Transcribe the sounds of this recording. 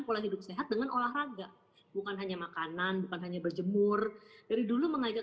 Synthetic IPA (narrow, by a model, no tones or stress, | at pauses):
npolahɦidʊp̚seɦat̪̚dəŋanʔolahraɡaʔ | bukanɦaɲamakananbukanɦaɲabərd͡ʒəmʊrd̥aɾiduluməŋad͡ʒa